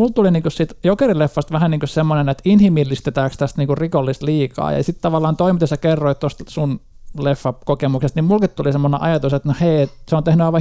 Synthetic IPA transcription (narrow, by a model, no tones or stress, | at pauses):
mult̪uliniːŋkussit̪jokerilefːɑst̪ʋæhæniːŋkussemːonenet̪inhimilːist̪et̪æːkst̪æst̪niːkurrikolːist̪liːkɑ̰ːjɑ̰sit̪t̪ɑʋɑlːɑːnt̪oimit̪esɑkerːoit̪t̪ost̪sun | lefːɑkokemuksest̪nimulkit̪t̪ulisemːonḛʔɑjɑt̪uset̪noheiet̪seont̪ehnyɑiʋɑ